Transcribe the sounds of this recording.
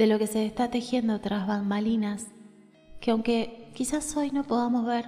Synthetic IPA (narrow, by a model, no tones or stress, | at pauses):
d̪e̞lo̞ke̞se̞ːst̪at̪e̞xje̞nd̪ot̪ɾazβammalinas | keawŋke̞kisaso̞jno̞po̞ðamo̞zβeɾ